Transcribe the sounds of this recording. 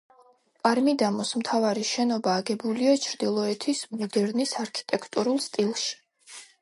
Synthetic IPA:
pʼaɾmid̪amɔsmt̪ʰavaɾiʃɛnɔbaːɡɛbuliat͡ʃʰɾd̪ilˠɔɛt̪ʰismɔd̪ɛɾnisaɾkʰi̥t̪ʼɛkʰt̪ʼuɾulˠst̪ʼilˠʃi̥

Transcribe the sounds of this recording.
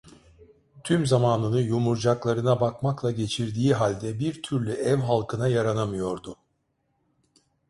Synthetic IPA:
t̪ʰymzamaːnˠɯnɯjumuɾd͡ʒaklˠaɾɯnabakmaklˠaɟe̞t͡ʃʰiɾd̪iːɦalʲd̪ɛbiɾt̪ʰyɾlʲyʔɛvɦalˠkʰɯnajaɾanamɯjo̞ɾd̪ʊ

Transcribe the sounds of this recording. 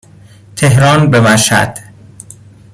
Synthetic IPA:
t̪ʰe̞ɦɾɒːnbe̞bæʃæ̰d̪̥

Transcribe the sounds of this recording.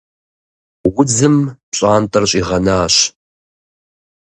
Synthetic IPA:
wʊd͡zɨmpɕʼaːntʼɐrɕʼiːʁɐnaːɕ

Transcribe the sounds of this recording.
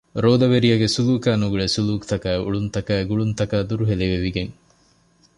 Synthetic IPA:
ɾoːd̪ɐʋeɾijɐɡesuluːkæːnuɡuɭesuluːkt̪ɐkæːeṵɭunt̪ɐkæːeɡuɭunt̪ɐkaːd̪uɾuɦeleʋeʋiɡeŋ

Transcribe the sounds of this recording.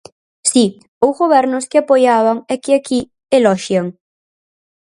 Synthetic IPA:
si | owzɣoβɛɾnʊskɪapojaβ̞aŋɛkɪaki | elɔʃjaŋ

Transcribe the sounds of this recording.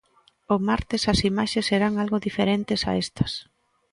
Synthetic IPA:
omaɾt̪ɪsɐsimaʃeseɾaŋalɣoðifeɾent̪ɪsa̰est̪ɐ̥s

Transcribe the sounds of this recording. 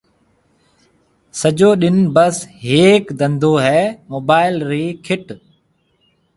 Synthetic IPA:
səʄoːɗɪnbəsɦeːkd̪ə̃nd̪ʱoːɦɛːmoːbaːɪlɾiːkʰɪʈ

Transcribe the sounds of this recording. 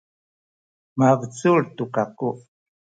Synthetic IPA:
mavət͡suɾt̪ukaku

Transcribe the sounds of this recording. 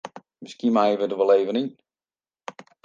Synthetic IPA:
mɪskimajəʋədəʋɔleːvənin

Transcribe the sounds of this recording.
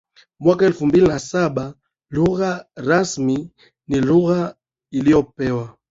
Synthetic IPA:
mwakaɛlfumbilinasaɓa | luɣaɾasmi | niluɣa | ilijɔpɛwa

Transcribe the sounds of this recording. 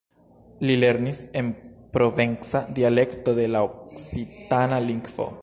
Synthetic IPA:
lile̞ɾnise̞npɾo̞ve̞nsadiale̞kto̞de̞laoksitanaliŋɡvo̞̰

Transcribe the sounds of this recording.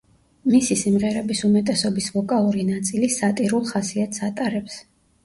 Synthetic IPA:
misisimʁɛɾɛbisumɛt̪ʼɛsɔbisvɔkʼalˠuɾinat̪sʼilisat̪ʼiɾulˠχasiat̪ʰsat̪ʼaɾɛps

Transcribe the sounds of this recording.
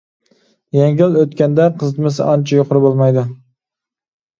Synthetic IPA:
jɛŋɡʲɪløt̪kʲɛnd̪ɛqʰəzɨt̪mɨs̬ɪ̰ʔɑnt͡ʃʰɛjoqʰʊɾɨbolˠmɑjd̪ʊ

